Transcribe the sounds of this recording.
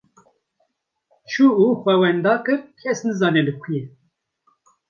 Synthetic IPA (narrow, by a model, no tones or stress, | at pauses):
t͡ʃʰuuːxʷɛwɛnd̪ɑːkɨɾkʰɛsnɨzɑːnɛlɨkʰuje